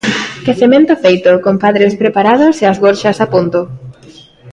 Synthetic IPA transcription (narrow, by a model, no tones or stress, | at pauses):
keθemẽnt̪ofejt̪ʊkompaðɾespɾepaɾaðʊseazɣoɾʃɐsapunt̪ʊ